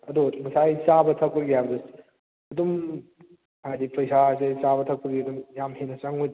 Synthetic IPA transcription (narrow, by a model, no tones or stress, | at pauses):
ɐdumɐsajt͡ʃabɐtʰɐk̚pɐɡijabdɐs | ɐdum | hajdipɐjsasajsaβɐtʰɐk̚pɐɡiɐdumjamɦenɐt͡ʃaŋoj